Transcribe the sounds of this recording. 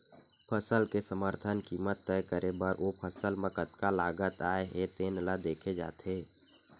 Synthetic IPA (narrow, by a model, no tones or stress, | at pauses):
pʰəsəlkesəməɾt̪ʰənkiːmət̪ːɛjkəɾebəɾʔopʰəsəlmə̃kət̪kalaːɡət̪aːeɦet̪eːnlad̪eːkʰed͡ʒa̰ːt̪eː